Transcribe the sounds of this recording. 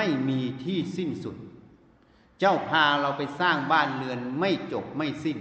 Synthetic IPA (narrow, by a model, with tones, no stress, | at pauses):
a˥˩jmiː˧t̪ʰiː˥˩si˥˩nsu˨˩˦t̪̚ | t͡ɕa˥˩wpʰaː˧ɾa˧wpa˧jsaː˥˩ŋbaː˥˩˨nlɯ˧ənma˥˩jt͡ɕo˨˩p̚ma˥˩jsi˥˩n